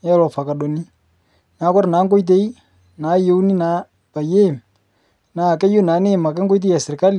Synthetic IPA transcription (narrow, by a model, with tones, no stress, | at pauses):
ɛ˦lɔ˨fa˨ka˨ɗo˨ni˦ | na˨˦kɔ˦ɾna˨˦ŋɡo˦i˦t̬e˦i˦ | na˨˦jo˦wni˦naː˨˦ | pa˨je˦˨m | na˨kɛ˦jo˦naː˨˦ne˦˨ma˨kɛ˦ŋ˦ɡo˦jt̬e˦a˨sɪ˨ɾka˦li˨